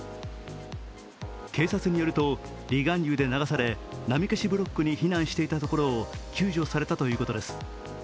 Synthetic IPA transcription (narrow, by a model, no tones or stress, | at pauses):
ke̞ːsat͡sɨɲ̟ijo̞ɾɯ̟t̪o̞ | ɾʲiɡãnʲɯːd̪e̞naɡasaɾe̞ | namʲikeɕibɯ̟ɾo̞kːɯɲ̟içinãɰ̃ɕi̥t̪e̞it̪at̪o̞ko̞ɾo̞ːkʲɨːʑo̞ːsaɾe̞t̪at̪o̞jɯ̟ːko̞t̪o̞d̪e̞sɨ̥